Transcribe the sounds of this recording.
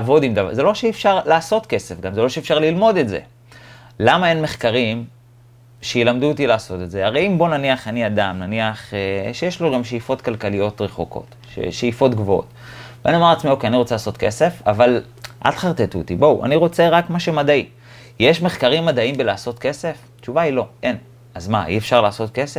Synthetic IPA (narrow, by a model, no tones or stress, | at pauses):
avo̞dimdav̰zelo̞ʃeːfʃaʁlaːso̞tke̞se̞fɡamzelo̞ʃeːfʃaʁlilmo̞d̪etzḛ | lamae̞nmeχkaʁim | ʃejilamd̪ut̪ilaːso̞tetzeaʁejimbonaniaχaniadamnaniaχeʃejeʃloɡamʃejifo̞tkalkalijo̞tʁeχokʰo̞̰t | ʃḛʃejifo̞tɡvoo̰t | vbeanimaʁat͡smio̞keaniʁot͡selaːso̞tke̞se̞fa̰val | ʔa̰tχaʁt̪etṵt̪ibowʔa̰niʁo̞t͡se̞ʁakmaʃemadai | jeʃme̞χkaʁimːadaimbelaːso̞tke̞se̞f | t͡ʃuvailo̞ʔe̞n | azma̰ʔḭefʃaʁlaːso̞tke̞sef